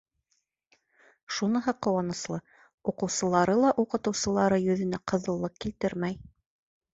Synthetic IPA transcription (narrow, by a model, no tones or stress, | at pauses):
ʃunɤɦɤqːŏwɑnɤ̆slˠɤ | uqɤ̆wsɤ̆lˠɑɾɤlˠɑʔuqɤ̆t̪ɤ̆wsɤ̆lˠɑɾɤjɵ̆ðɵ̆næqɤ̆ðɤ̆lˠːɤq̚kilt̪ɘɾmæj